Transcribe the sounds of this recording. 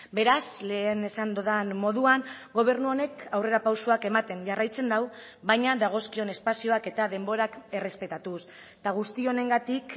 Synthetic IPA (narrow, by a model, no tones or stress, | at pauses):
be̞ɾasle̞ːne̞sand̪oðanmo̞ðuaŋɡo̞β̞e̞ɾnuo̞ne̞kawre̞ɾapawsuake̞mat̪e̞nʝarajt͡se̞nd̪aw | βajɲad̪aɣ̞o̞skio̞ne̞spasio̞ake̞t̪aðe̞mbo̞ɾake̞re̞spe̞t̪at̪us | t̪aɣ̞ust̪io̞ne̞ŋɡat̪ik